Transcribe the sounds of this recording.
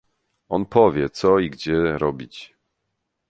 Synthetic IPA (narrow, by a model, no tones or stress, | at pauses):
ɔnpɔvʲjɛt̪sɔiɡd͡ʑɛɾɔbʲit͡ɕ